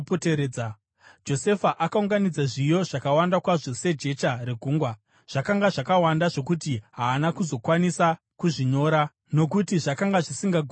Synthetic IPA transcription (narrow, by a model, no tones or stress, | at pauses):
poteɾeːa | d͡ʒo̞se̞faʔakauŋɡanid͡zaʐijo̞ʐ̥akawandakwaʐo̞se̞d͡ʒe̞t͡ʃare̞ɡʱuːŋɡwa | ʐ̥akaŋɡaʐakawandaʐo̞k̬utiɦaːnakuzo̞kwanisa | kuʐiɲo̞ːɾa | no̞kutiʐakaŋɡaʐisiŋɡaɡʱ